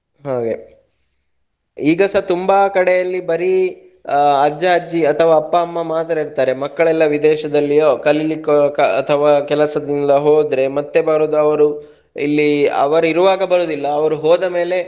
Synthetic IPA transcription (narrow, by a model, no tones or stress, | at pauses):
ɦaːɡe | iːɡɐsɐt̪umbaːkɐɽɛjɐlːibɐɾi | ɐd͡ʒːɐɐd͡ʒːiɐt̪ʰɐʋaːpːɐɐmːɐmaːd̪ɐɾɐiɾt̪aːɾe̞mɐkːɐɭɛlːɐʋid̪ɛːʃɐd̪ɐlːiokɐlilikːɐt̪ʰɐʋaːkɛlɐsɐd̪ind̪ɐɦoːd̪ɾe̞mɐt̪ːe̞bɐɾuːd̪uɐʋɐɾu | ḭlːiɐ̰ʋɐɾuiɾuʋaːɡɐbɐɾuːd̪ilːɐːʋɐɾuɦɔːd̪ɐme̞ːle̞